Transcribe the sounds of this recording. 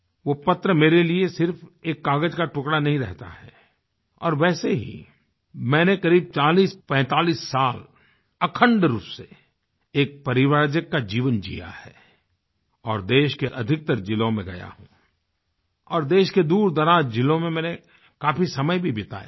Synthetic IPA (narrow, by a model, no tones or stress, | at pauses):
ʋopɐt̪ɾəmeːɾeliesɪɾfʰeːkːaːɡəd͡ʒkaʈʊkɽanɐɦĩɾɛ̰ɦt̪a̰ɦɛ̰ | ɔ̰ːɾʋɛːseɦḭ | mɛ̃ːnekɐɾiːb̚t͡ʃaːliːspɛ̃ːt̪aːliːsːaːl | ɐkʰə̃ɳɖɾuːpse | eːk̚pɐɾɪʋaːɾd͡ʒəkːad͡ʒiːʋənd͡ʒḭja̰hɛ̰ː | ɔːɾd̪eːʃkeʔɐd̪ʱɪk̚t̪əɾd͡ʒɪlõmẽɡɐja̰ɦṵ̃ː | ɔːɾd̪eːʃked̪uːɾd̪ɐɾaːd͡ʒd͡ʒɪlõmẽmɛ̃ːne | kaːpʰisɐməjbʱibɪt̪a̰ːj̰